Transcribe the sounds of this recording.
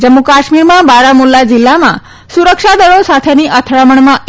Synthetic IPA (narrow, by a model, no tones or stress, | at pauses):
d͡ʒəmːukaʃmiɾmãbaɾamulːad͡ʒilːamã̰ | suɾəkʃad̪əɽosat̪ʰeniʔət̪ʰɾaməɳmãʔ